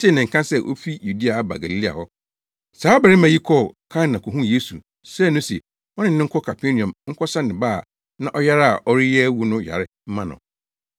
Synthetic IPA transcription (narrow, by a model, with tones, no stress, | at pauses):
tʰɪ˦nɪ̃˨ŋ̩˨kʰã˦sɛ˦ʔo̰˦fi˦ju˨di˦a˨˦ba̰˨ɡa˨li˨li˦a̰˨hɔ˦ | saː˨˦bɛ˨ɾɪ˦mã˨ji˦kʰɔ˦˨kʰa˦nːã˨kʰɔ˨ɦũ˦je˦sṵ˨ | sɛ˦˨nʊ̃˦si˨ | ɔ˦nɪ̃˦nɪ̃˦ŋ̩˦kʰɔ˦kʰa˨pʰe˦nĩ˨ɔ̃˨mŋ̩˦kʰɔ˦sã˦nɪ̃˨baː˦˨ | nã˦ʔɔ˦ja˦ɾa˨ʔɔ˦ɾɪ˦jɛ˦wu˦nʊ̃˦ja̰˨ɾɪ˦m̩˦mã˦nʊ̰̃˨